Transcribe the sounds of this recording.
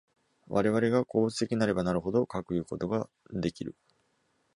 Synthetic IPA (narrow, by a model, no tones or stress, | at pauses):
βaɾe̞βaɾe̞ɡako̞ːt͡sɨ̥t̪e̞kʲiɲinaɾe̞banaɾɯ̟ɦo̞d̪o̞kakɯ̟jɯ̟ːko̞t̪o̞ɡa | d̪e̞kʲiɾɯ̟̰